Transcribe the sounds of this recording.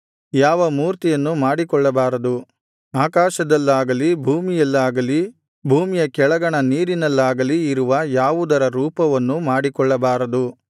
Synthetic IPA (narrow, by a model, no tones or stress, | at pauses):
jaːʋɐmuːɾt̪ijɐnːumaːɽikɔɭːɐbaːɾɐd̪u | aːkaːʃɐd̪ɐlːaːɡɐlibʱuːmijɐlːaːɡɐli | bʱuːmijɐkɛɭɐɡɐɳɐniːɾinɐlːaːɡɐliːɾuʋɐjaːʋud̪ɐɾɐɾuːpɐʋɐnːumaːɽikɔɭːɐbaːɾɐd̪u